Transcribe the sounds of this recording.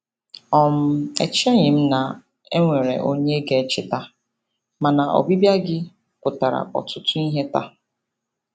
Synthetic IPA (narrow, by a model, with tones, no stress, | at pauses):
ɔ˨m̩˦ḛ˨t͡ʃe˦ɲɪ˨m̩˦na˨ | e˦ŋʷe˨ɾḛ˨ʔo˦ɲe˦ɡe˨t͡ʃɪ˦ta˦ | ma˨na˨ʔo̰˨bi˦bja˦ɡɪ˦ | kʊ˨ta˨ɾa̰˨ɔ̰˨tʊ˦tʊ˦i˦ɦe˦ta˦